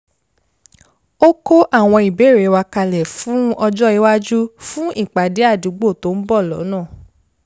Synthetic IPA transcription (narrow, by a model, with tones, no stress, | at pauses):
o˦ko˦ʔa˦˨w̃ɔ̃˧i˨be˨˦˨ɾe˨˦wa˧ka˧lɛ˨fũ˨˦ɔ˧d͡ʒɔ˦i˧˦wa˦d͡ʒu˦fũ˦i˦˨k͡pa˨de˨˦a˦˨du˨˦ɡ͡bo˦˨to˨˦m̩˦bɔ˦˨lɔ̰˨˦nãː˦˨